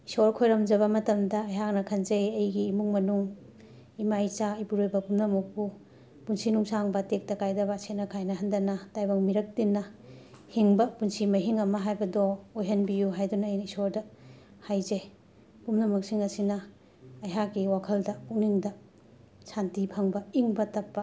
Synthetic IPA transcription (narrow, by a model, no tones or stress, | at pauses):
isoɾkʰojɾɐmd͡ʒɐβɐmɐtɐmdɐːjɦak̚nɐkʰɐnzejɐjɡiːmuŋmɐnuŋ | imajt͡ʃaːjbuɾojbɐpumnɐmuk̚pu | punsinuŋsaŋbɐtek̚tɐkajdɐbɐsetnɐkʰajnɐɦɐndɐnɐtajbɐŋmiɾɐk̚tinːɐ | hiŋbɐpunsimɐɦiŋɐmɐɦajbɐdɔojɦɐnbijuɦajdunɐːjisoɾdɐ | hajzej | pumnɐmɐk̚siŋɐsinɐ | ɐjɦak̚ɡiwakʰɐldɐuk̚niŋdɐ | santipʰɐŋbɐiŋbɐtɐpːɐ